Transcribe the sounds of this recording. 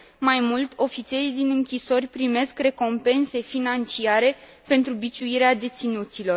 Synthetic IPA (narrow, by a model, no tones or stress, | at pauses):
majmult̪ʲo̞fit̪sieɾijd̪inɨŋkʲiso̞rʲpɾime̞skre̞ko̞mpe̞nse̞finant͡ʃiaɾe̞ | pe̞nt̪ɾubit͡ʃuiɾead̪e̞t̪sinut̪silo̞r